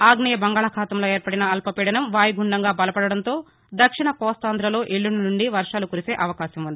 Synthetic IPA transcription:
aːɡɳɐjɐbɐŋɡaːɭɐkʰaːt̪ɐmlo̞ːeːɾpɐɽinɐɐlpɐpiːɽɐnɐmʋaːjiɡuɳɖɐŋɡaːbɐlɐpɐɽɐɽɐnt̪o̞ː | d̪ɐkʂiɳɐkɔːst̪aːnd̪ɾɐlo̞ːʔeɭːuninuɳɖiʋɐɾʂaːlukuɾise̞ːʔɐʋɐkaːɕɐmund̪i

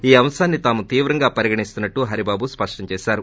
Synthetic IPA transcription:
iːɐmsaːnːit̪aːmut̪iːʋɾɐŋɡaːpɐɾiɡɐɳist̪unːɐʈːuɦɐɾibaːbuspɐʂʈɐɲt͡ʃɛːʃaːɾu

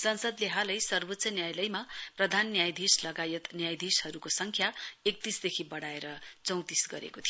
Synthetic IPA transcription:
sʌnsʌd̪leɦalʌjsʌrbot̪ːsʌnjajlʌjmaprʌd̪ʱanːjajd̪ʱislʌɡajʌt̪njajd̪ʱishʌɾukosʌŋkʰjaek̚t̪isd̪ekʰibʌɽaeɾʌt͡sʌw̃t̪isɡʌ̰ɾḛkot̪ʰijo

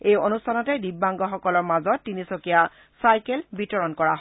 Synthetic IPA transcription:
ejonustʰanɔtɛdibːaŋɡɔxɔkɔlɔɹmazɔtːinisokija | sajkelbitɔɹɔnkɔɹaɦɔ

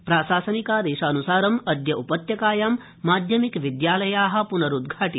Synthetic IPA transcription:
pɾaːsaːsɐnikaːd̪eːʃaːnusaːɾɐmɐd̪jɐʔupɐt̪jɐkaːjaːmː | aːd̪ʱjɐmikʋid̪jaːlɐjaːɦɐ̆punɐɾud̪ɡʱaːʈi

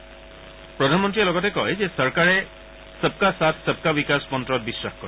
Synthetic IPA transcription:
pɾɔd̪ʱanmɔnt̪̬ɾieloɡɔt̪ekɔɦed͡ʒesɔɾkaɾe | səb̚kasat̪ʰsəb̚kabikasɔ̥pɔnt̪ɾɔɾbisɾakʰkɔɾi

